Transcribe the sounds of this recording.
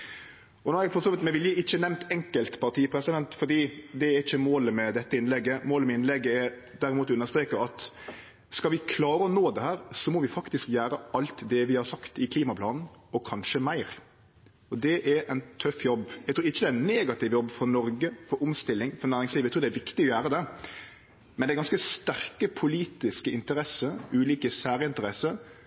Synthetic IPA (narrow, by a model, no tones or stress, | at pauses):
ɔnɔɾæɡfɔɾsɔːʋɪt̪mɛʋɪljəɪçːənɛmnt̪ɛŋkəlt̪pʰɑɾt̪iːpʰɾɛsɪd̪ɛnt̪fɔɖ̪iːd̪ɛɛɾɪçːəmoːləmɛd̪ɛt̪ːəɪnlɛɡːəmoːləmɛɪnlɛɡːəɛɾ | d̪æɾɪmuːt̪ʋɪʉnːəɾst̪ɾeːkəɾɑt̪ | skɑʋɪkʰlɑːɾəɔnoːd̪ɛhæːɾsɔmɔʋɪfɑkt̪ɪskjæːɾəɑlt̪d̪ɛʋɪhɑɾsɑkt̪ɪkʰliːmɑpʰlɑːnn̩ɔkʰɑnʂəmæɪɾ | ɔd̪ɛʔɛɛnt̪ʰœfːjɔbːæɡ̚t̪ɾuːɾɪçːəd̪ɛæɛneːɡɑt̪ɪʋjɔbːfɔɾnɔɾɡəfɔɾʊmst̪ɪlːɪŋfɔɾnæːɾɪŋsliːʋæt̪ʰɾuːd̪ɛæʋɪkt̪ɪɔjæːɾəd̪ɛ | mɛnɛæɾɡɑnskəst̪æɾkəpʰʊliːt̪ɪskəɪnt̪əɾɛsəʉːliːkəsæːɾəɪnt̪əɾɛsəɾ